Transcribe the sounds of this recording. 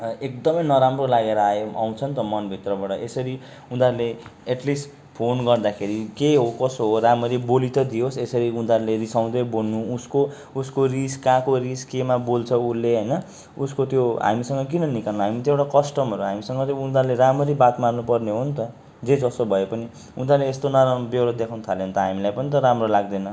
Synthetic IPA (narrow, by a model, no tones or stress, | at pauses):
ek̚d̪ʌmʌjnʌɾamrolaɡeɾʌajomʔa̰w̃t͡sʰʌnt̪ʌmʌnbʱit̪rʌbaʈʌesʌɾi | ũnd̪aɾleeʈlisʈ | pʰonɡʌrd̪akʰeɾikeɦokʌsoɦoramʌɾibolit̪ʌd̪ijosesʌɾiũnd̪aɾlerisaw̃d̪ʌjbolnuusko | uskoriskãkoɾiskemabolt͡sʰʌulːeɦʌjnʌ | uskot̪joɦa̰misʌŋɡʌk̬inʌnikannaɦamit̪ʌewʈakʌsʈʌmʌɾuɦamisʌŋɡʌt̪joũnd̪aɾleɾamʌɾibat̪marnupʌrneɦont̪ʌ | d͡zed͡zʌsobʱʌepʌni | ũnd̪aɾleest̪onʌɾabewɾʌd̪ekʰawnut̪ʰaleɦont̪ʌɦamilajpʌnit̪̬ʌɾamrolaɡd̪ʌnʌ